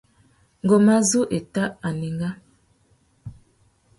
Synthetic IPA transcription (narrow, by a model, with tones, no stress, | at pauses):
ŋ˨ɡo˨ma˦zu˦ʔe˨ta˦ʔa˨ni˨ŋɡa˦